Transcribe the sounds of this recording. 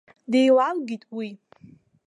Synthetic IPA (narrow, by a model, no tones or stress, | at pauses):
dejlalɡʲitʼwi